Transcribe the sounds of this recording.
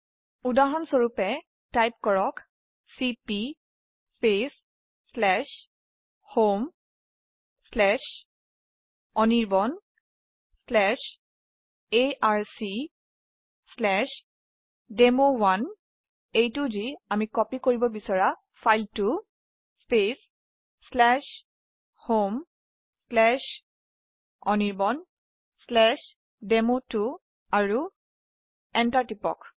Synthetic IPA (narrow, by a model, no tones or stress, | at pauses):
udaɦɔnsoɹupɛ | tajp̚kɔɹɔk | sipi | spes | slɛʃ | hom | slɛʃ | ɔniɹbɔn | slɛʃ | eʔaɹsi | slɛʃ | demowan | ejtʊziamikɔpikoɹibɔbisɔɹa | fʰajltu | spesː | lɛʃ | hom | slɛ | ɔniɹbɔn | slɛʃ | demotu | aɹu | ɛntaɹtipɔ̰k